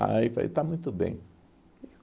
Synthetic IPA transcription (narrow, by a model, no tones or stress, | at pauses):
a̰jfa̰ḭt̪amũj̃t̪ʊbḛ̃j̃